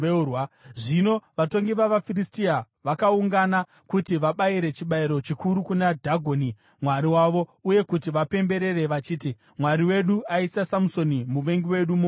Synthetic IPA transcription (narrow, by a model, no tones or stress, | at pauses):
waʐino̞ʋato̞ŋɡiʋaʋafiristia | ʋakauŋɡana | kutiʋaɓaiɾe̞t͡ʃiɓaiɾo̞t͡ʃikuɾukunadʱaɡʱo̞ni | mwaɾiwaʋo̞uje̞kutiʋape̞mbe̞ɾe̞re̞ʋat͡ʃiːti | mwaɾiwe̞ɗuaisasamuso̞nimuʋe̞ŋɡiwe̞ɗumu